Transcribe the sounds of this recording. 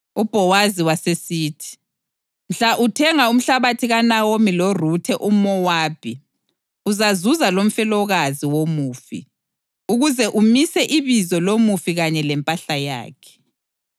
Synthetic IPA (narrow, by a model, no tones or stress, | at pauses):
ub̥ʱɔwaziwasesiːtʰi̥ | m̩ɬaʔutʰɛŋaum̩ɬaβatʰiɣanawomilorutʰɛʔumɔwaːb̥ʱi | uzazuzalom̩fɛlɔɣaziwomuːfḭ | uɣuzɛʔumisɛʔiβizɔlomufiɣaɲɛlɛmpʼaɬaja̰ːkʰɛ̥